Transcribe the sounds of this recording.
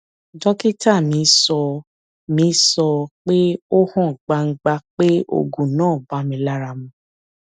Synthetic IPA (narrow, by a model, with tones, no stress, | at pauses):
d͡ʒɔ˦ki˦ta˦˨mĩ˨˧˦sɔ˧ | mĩ˧˦sɔ˧k͡pe˦o˦hɔ̃˦˨ɡ͡ba˧ŋ̩˧˦ɡ͡ba˧k͡pe˦o̰˧ɡũ˨nãː˦˨ba˦mĩ˧˦la˦ɾa˧mũ˧